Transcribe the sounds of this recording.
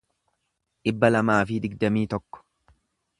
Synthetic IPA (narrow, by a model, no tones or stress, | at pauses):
ᶑɪbːɐlɐmaːfɪd̪ɪɡd̪ɐmiːt̪ɔkːɔ̥